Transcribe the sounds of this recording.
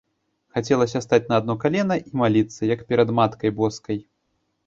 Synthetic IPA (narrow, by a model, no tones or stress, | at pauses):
xat͡sʲɛlˠɐsʲɐst̪at͡sʲnɐːd̪̚nɔkalʲɛnɐʔimalʲit̪sːɐjɐkpʲɛɾɐd̪mat̪kɐjbɔskɐj